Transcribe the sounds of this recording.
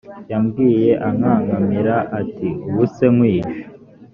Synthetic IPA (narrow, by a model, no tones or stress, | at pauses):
jamɡiːje̞ʔaŋaːŋɡamiɾaʔatiuwuse̞ŋwiːʒo̥